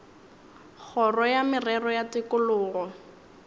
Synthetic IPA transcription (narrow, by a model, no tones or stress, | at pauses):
k͡xʰɔrɔjamɪrɛrɔjatɪkʊlʊːɣɔ